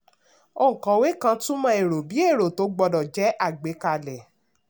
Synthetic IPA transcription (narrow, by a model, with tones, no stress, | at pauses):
o˦˨ŋ̩̃˨kã˨˦we˨˦kã˧tũ˦mã˧˦e˨ɾo˨bi˨˦e˦˨ɾo˨to˧˦ɡ͡bɔ˧dɔ˨d͡ʒɛ˨˦ʔa˦˨ɡ͡be˨˦ka˧˨lɛ˨